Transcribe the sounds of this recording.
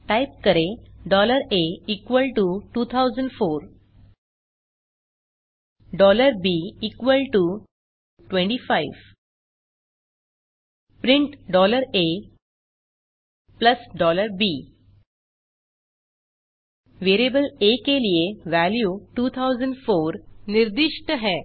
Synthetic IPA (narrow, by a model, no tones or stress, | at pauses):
ʈajp̚kəɾeɖɔləɾeikʋəlʈuʈuːt̪ʰawd͡zəɳɖfoɾ | ɖɔləɾbiikʋəlʈu | ʈʋẽɳʈifaiʋ | pɾiɳʈɖɔləɾe | pləsɖɔləɾbi | ʋeɾebəlekelijeʋæljuːʈuːt̪ʰawd͡zəɳɖfoɾniɾd̪iʂʈəɦɛ